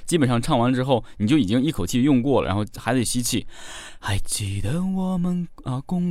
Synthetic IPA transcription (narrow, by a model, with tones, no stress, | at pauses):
t͡ɕi˥bə˨˩nʂɑ˥˧ŋʈ͡ʂʰɑ˥˩ŋwa˧˥nə˧ʈ͡ʂɻ̩˥xo˥˩ʊn˨˩t͡ɕjo˥˩ʊi˨˩t͡ɕi˥ŋi˥˩kʰo˨˩ʊt͡ɕʰi˥˧jʊ˥˧ŋkwɔ˥˩lə̰˨˩ɻa̰˧˥xʊxa˧˥ɪt̪e˥˩ɕi˥t͡ɕʰi˥˩ | a˧˥ɪt͡ɕi˨˩d̪ə˧˥wɔ˨˩mə˧n | ə˧˩kʊ˥ŋ